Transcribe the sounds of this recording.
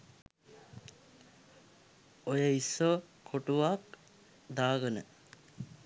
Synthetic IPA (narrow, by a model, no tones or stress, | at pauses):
ojəisːo | kʰːoʈuʋak | d̪aːɡənə